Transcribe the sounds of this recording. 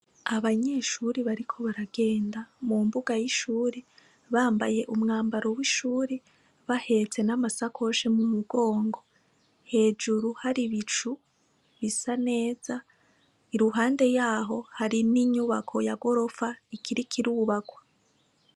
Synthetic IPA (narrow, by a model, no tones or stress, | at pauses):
aβaɲe̞ːʃuɾiβaɾikʰo̞βaɾaɡ̥e̞ːndamumbuɡajiʃuːɾe | βaːmba̰je̞ʔumŋaːmbaɾo̞wiʃuːɾe | βahe̞t͡se̞namasakʰo̞ʃemumuɡo̞ːŋɡo̞ | he̞ːd͡ʒuɾuhaɾiβit͡ʃu | βisane̞ːza | iɾuɦaːnde̞jaːɦo̞haɾiniɲuβakʰo̞jaɡo̞ɾo̞faikʰiɾikʰiɾuːβaɡwa